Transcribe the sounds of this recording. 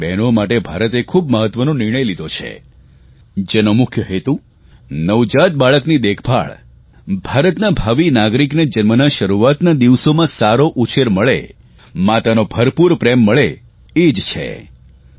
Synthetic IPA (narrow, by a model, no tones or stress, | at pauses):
bɛnomaʈebʱaɾət̪ekʰubməɦət̪ʋənõnɪɾɳ̃əjlid̪ʱot͡ʃʰḛ | d͡ʒenomʊkʰjəɦet̪ũ | nəʋd͡ʒat̪̚baɭəknid̪ekʰbʱa̰ɭ | bʱaɾət̪nabʱaʋinaɡɾikned͡ʒənmənaʃəɾuat̪nad̪iʋsomãsaɾoʔut͡ʃeɾməɭḛ | mat̪anobʱəɾpuɾpɾemːəɭe | ed͡ʒt͡ʃʰḛ